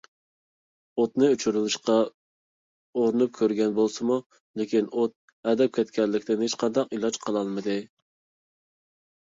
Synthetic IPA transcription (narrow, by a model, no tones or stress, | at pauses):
ot̪nɨyt͡ʃʰyɾylˠɨʃqɑ | oɾnɨp̚kʲʰøɾɡʲɛnbolˠsɨmu | lɪkʲinot̪̚ | ɛd̪ɛp̚kʲʰɛt̪kʲʰɛɾlːɪkʲd̪ɪnhet͡ʃqʰɑnd̪ɑqilˠɑd͡ʒqʰəlˠɑlˠmɨd̪ɨ